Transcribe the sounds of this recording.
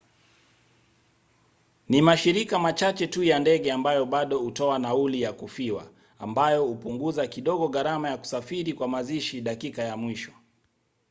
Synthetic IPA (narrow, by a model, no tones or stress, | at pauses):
nimaʃiɾikamat͡ʃat͡ʃɛtujandɛɠɛambajɔɓaɗɔhutɔanaulijakufiwa̰ | ambajɔhupuŋɡuzakiɗɔɠɔɣaɾamajaku̥safiɾikwamaziʃiɗakikajamwiʃɔ̥